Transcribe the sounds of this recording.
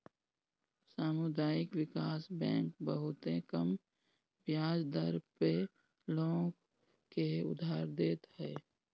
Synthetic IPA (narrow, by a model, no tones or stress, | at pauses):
saːmʊd̪aːɪkwɪkaːsbɛ̰̃ːŋk̚bəɦʊt̪ẽkəm | bjaːd͡ʒd̪əɾpe | lõːɡ | keʊ̰d̪ʱaːɾd̪eːt̪ɦɛː